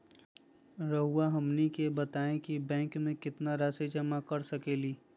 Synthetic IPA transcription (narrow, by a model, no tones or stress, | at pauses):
ɾɐɦuaɦɐmnikebɐt̪aːẽkibɛ̃ːŋkmẽkɪt̪naɾaːsed͡ʒɐmakɐɾsɐkeːliː